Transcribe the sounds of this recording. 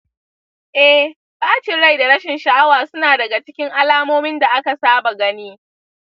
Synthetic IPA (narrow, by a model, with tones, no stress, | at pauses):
ʔɛ˦h | baː˦t͡ʃɪ˨ɽa˦˨jda˨ɽɐ˦ʃɪ˨nʃa˨ʔa˦waː˨sʊ˦naː˨dɐ˨ɡa˨t͡ʃɪ̥˦kʲɪ˦ŋʔa˦laː˦moː˦mɪ˦nda˨ʔa˦ka˨saː˦ba˨ɡɐ˦niː˦